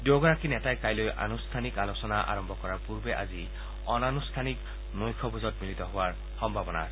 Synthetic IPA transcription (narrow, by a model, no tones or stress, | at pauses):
dewɡɔɹakinɛtajkajlojʔa̰nust̪ʰanikalosɔnaʔa̰ɹɔmbʱɔkɔɹaɹpuɹbeʔa̰zi | ɔnanustʰanik | nojkʰɔbʱuzɔt̚milit̪ɔɦʊwaɹ | xɔmbʱabɔna̰s